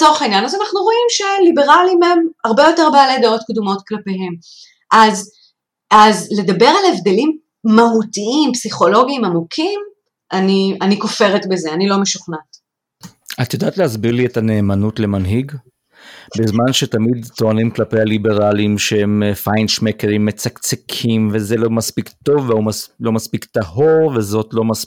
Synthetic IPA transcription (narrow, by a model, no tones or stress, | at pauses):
t͡soʁχainjanazanaχnuʁo̞imʃe̞libe̞ʁalimemaʁbejote̞ʁbaale̞dao̞tkdumo̞tklape̞ɦe̞m | ʔaz | azle̞dabe̞ʁalevde̞limː | aɦutiimpsiχo̞lo̞ɡiːmamukʰim | ʔanianiko̞fe̞ʁetbezeanilo̞meʃu̥χnat | at̪jodaːt̪lehazbiʁlietaneːmanutle̞manɦiɡ | bezmanʃetamid̪t̪oanimklapejalibe̞ʁalimʃehemfajnʃmekeʁimːet͡sakt͡sekʰimvezelomaspikt̪o̞vːeumalo̞maspikt̪aho̞ʁvezo̞tlo̞mas